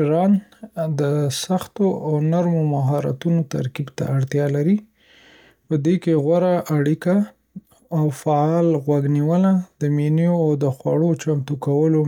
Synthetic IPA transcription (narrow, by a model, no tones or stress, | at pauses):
ɾɑnd̪əsaxt̪oawnaɾmomaɦɑɾa̰t̪unot̪a̰ɾkibt̪a̰aɽt̪jɑlaɾi | pəd̪ekeɣwaɾaʔːɽikaː | wfaɑlɣwaɡniwəlad̪̥əminijoawd̪əxwa̰ɽot͡ʃamt̪ukawəlo